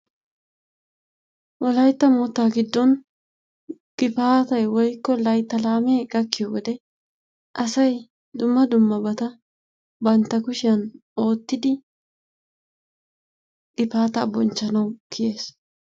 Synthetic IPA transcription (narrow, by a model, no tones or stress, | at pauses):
wʔɔlɐjt̪ːɐmoːt̪ːaːɡɪd̪ːɔn | ɡ̥ɪpaːt̪ɐjwɔjkːɔlɐjt̪ːɐlaːmeːɡɐkːɪjoːwɔd̪ɛ | ʔɐsɐj | d̪ʊmːɐd̪ʊmːɐbɐt̪ɐ | bɐnt̪ːɐkʊʃɪjɐn | o̞ːt̪ːɪd̪ɪ | ɡɪpaːt̪ɐbɔnt͡ʃːɐnɐwkʰɪje̞ːs